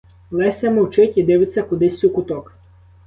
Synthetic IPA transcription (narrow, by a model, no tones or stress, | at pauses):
lˠɛsʲɐmɔwt͡ʃɪtʲid̪ɪʋɪt͡sʲːɐkʊd̪ɪsʲːukʊt̪ɔk